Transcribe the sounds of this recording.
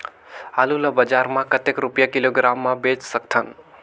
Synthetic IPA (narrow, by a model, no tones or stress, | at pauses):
aluləbəd͡ʒaɾmãkət̪ekɾupjakiloɡɾamːabet͡ʃsək̚t̪ʰən